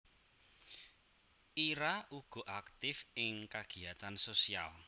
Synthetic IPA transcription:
iɾaʔuɡ̥ɔ̤ʔakt̪ɪfɪŋkaɡ̥i̤at̪ansosia̰l

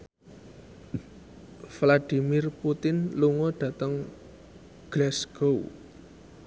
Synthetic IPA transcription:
flad̪̥i̤mɪrput̪ɪnluŋɔɖ̥ä̤t̪əŋ | ɡ̥lasɡ̥ou

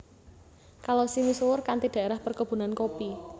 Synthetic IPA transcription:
kalosimisuwʊrkant̪iɖ̥a̤eɾahpərkəb̥ṳnankopi

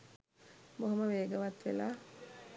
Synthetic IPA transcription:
moɦoməʋeːɡəʋat̪ʋḛlaː

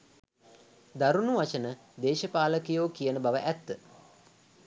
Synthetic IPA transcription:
d̪aɾunuʋat͡ʃənə | d̪eːʃəpaːləkijoːkijənəbaʋəʔæt̪ːə

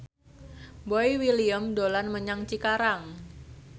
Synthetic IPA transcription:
boiwiliəmdolanməɲaŋt͡ʃikaɾaŋ

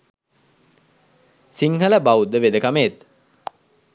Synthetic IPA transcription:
siŋɦələbaud̪əʋed̪əkameːt̪

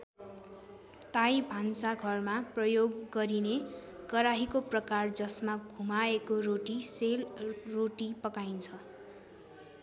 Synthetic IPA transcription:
t̪ajbʱansaɡʱʌrmaprʌjoɡːʌɾinekʌɾaɦikoprʌkard͡zʌsmaɡʱumaekoroʈiselroʈipʌkajnt͡sʰʌ

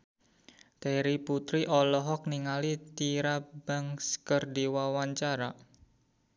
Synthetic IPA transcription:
t̪eɾiput̪ɾiʔɔlɔɦɔk̚niŋalit̪iɾab̥a̤ŋskərdiwawaɲt͡ʃaɾa

